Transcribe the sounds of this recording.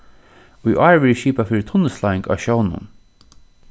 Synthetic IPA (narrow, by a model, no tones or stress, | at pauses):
ʊjʔɑːɹʋɪʃiːpafiːɹɪt̪ʰʊnːəslaːɪŋka̰ːʃɔwnʊ̰n